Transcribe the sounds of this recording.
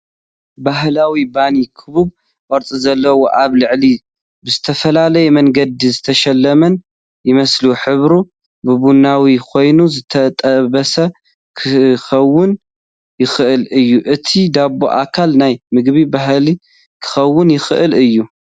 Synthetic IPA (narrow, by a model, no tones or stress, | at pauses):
baɦlawibanikʰɨβub̚ | ʔɔɾt͡sʼizɐlːɐwoʔaβlɨʕli | bɨzɨt̪ʰɐfɐlalɐjɛmɐŋɡɐd̪izɨt̪ʰɐʃɐlːɐmɐn | jɪmɐsluħɨβɾu | bɨβunawikʰo̞jnuzɨt̪ʰɐt̪ʼɐβɐsɐ | kʰɨxɐwːʊn | jɪxɨʔɨlɨjːuʔɨt̪ʰid̪abo̰ʔa̰kʰalnajmɨɡbibaɦli | kʰɨ̥xɐwːɨnjɪxɨʔɨlɨjːu